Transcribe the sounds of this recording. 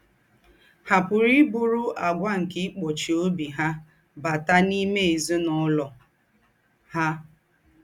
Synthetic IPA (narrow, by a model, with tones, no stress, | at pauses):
ha˨pʊ˨ɾi˦bʊ˦ɾʊ˦ʔa˨ɡʷa˦ŋ̩˨kɪ˦k͡pɔ˨t͡ʃi˨o˦bi˨ɦa˦ | ba˨ta˦ni˦me˦˨e˨zo˦nɔ˦lɔ˨ | ha˦